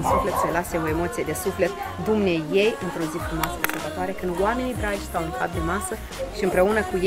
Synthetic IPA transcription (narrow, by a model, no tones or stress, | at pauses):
nsufle̞t̪selase̞o̞e̞mo̞t̪sije̞d̪e̞sufle̞t̪ | d̪umneje̞jɨnt̪ɾo̞zifɾumasəesubət̪oaɾe̞kɨnd̪oame̞nib̪ɾad͡ʒst̪awɨnxat̪̚d̪e̞masə | ʃiɨmpɾe̞unəkuj